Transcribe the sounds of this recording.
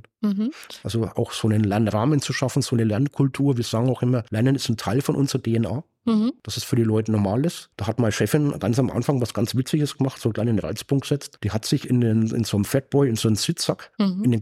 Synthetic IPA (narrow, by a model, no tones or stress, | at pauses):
ʔalzoʔa̰ʊxz̥oːnənlɛɐnʁaːmənt͡suʃafn̩z̥oːnəlɛɐnt̚kʰʊltʰuːɐviːɐz̥aːɡŋ̩aʊxʔɪmɐlɛɐndənɪstn̩tʰaɪlfɔnʔʊnzəʁɐdeːɛnaː | d̥asɛsfyːɐdiːlɔʏtənɔɐmaːlɪsd̥aːhatmaːlʃɛfɪnɡ̥ant͡samʔa̰nfaŋvasɡ̥ant͡sv̥ɪt͡sɪɡəsɡ̥əmaχtsoːklaɪnɪnʁa̰ɪt͡sb̥ʊŋɡəz̥ɛt͡std̥iːhatz̥ɪçɪndenɪ̰nz̥onmfɛt̚b̥ɔʏɪnzoːnnz̥ɪt͡sakɪnde